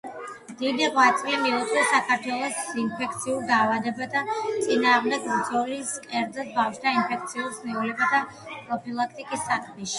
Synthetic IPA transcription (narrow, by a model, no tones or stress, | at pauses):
md̪̥id̪iʁwat̪sʼlimiut̪χɛsakʰaɾt̪ʰwɛlˠɔsinpʰɛkʰt̪sʰiuɾd̪aːvad̪ɛbat̪ʰat̪sʼinaːʁmd̪ɛɡmd̪z̥ɔliskʼɛɾd̪ɛsbafʃt̪ʰainpʰɛk̚t̪sʰiuɾsniulɛbat̪ʰa | pʼɾɔpʰilˠak̚ʰt̪ʼikʼisːakʰmɛʃi̥